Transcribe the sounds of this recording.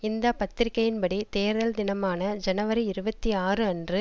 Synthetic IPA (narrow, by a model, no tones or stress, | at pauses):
ɪnd̪ɐpɐt̪ːɪɾɪkːɐjɪnpɐɽit̪eːɾðɐld̪ɪnɐmaːnɐd͡ʒɛnɐʋɐɾɐɪɾɯbɐt̪ːiaːrɯɐndrɯ